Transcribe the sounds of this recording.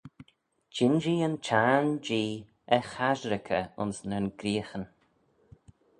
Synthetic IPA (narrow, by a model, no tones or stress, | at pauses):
d͡ʒɪnd͡ʒiənt͡ʃʰaːnd͡ʒiː | əxaʒɾɪkʰəʊ̰nsnənɡɾiːxən